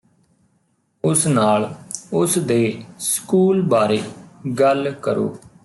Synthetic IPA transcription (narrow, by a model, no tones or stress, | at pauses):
ʊsnaːlʊsd̪eːskuːlbaːɾeːɡəlkəɾo̰ː